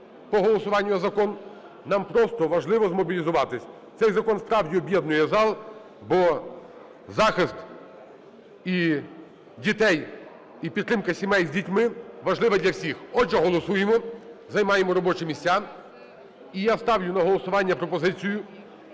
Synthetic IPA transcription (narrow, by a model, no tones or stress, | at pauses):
pɔɦɔlˠɔsʊʋɑnʲːʊjzɐkɔnː | ɑmpɾɔst̪ɔʋɐʒlˠɪʋɔzmɔbʲilʲizʊʋɑt̪ɪsʲ | t̪sɛjzɐkɔnspɾɑwdʲiɔbʲjɛd̪nʊjɛzɑlˠ | bɔ | zɑxɪst̪ | i | dʲit̪ɛj | ipʲit̪t̪ːɾɪmkɐsʲimɛjzʲdʲitʲmɪʋɐʒlˠɪʋɐd̪ʲlʲɐwsʲixɔd͡ʒɛɦɔlˠɔsujemɔzɐjmɑjemɔɾɔbɔt͡ʃɪmʲisʲtʲa | ijast̪ɑwlʲʊnɐɦɔlˠɔsʊʋɑnʲːɐpɾɔpɔzɪt͡sʲijʊ